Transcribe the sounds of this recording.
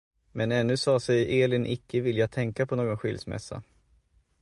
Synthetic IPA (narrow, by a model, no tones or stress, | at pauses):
mɛnɛnːɵsɑːsɛjeːlɪnʔɪkʰːəvɪljat̪ʰɛŋkapʰɔnoːɡɔnɧɪ̰lsmɛ̰sːa̰